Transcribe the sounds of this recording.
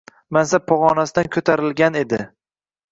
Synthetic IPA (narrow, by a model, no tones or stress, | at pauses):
mansapʰɒʁɒnasɪd̪ankʰɵt̪ʰaɾɪlɡʲane̞d̪ɪ